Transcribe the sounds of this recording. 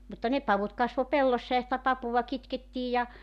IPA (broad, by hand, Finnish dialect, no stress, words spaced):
mutːɑ ne pɑʋut kɑsʋo pelːosːɑ jɑ sitæ pɑpuʋɑ kitketːiːj jɑ